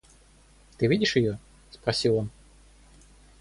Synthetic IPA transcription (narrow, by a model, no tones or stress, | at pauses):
t̪ɨvʲidʲɪʂjɪjo | spɾɐsʲilˠon